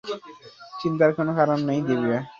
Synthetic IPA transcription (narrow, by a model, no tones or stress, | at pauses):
t͡ʃint̪̬aɾkʰonokʰaɾɔnːaj̃d̪ebia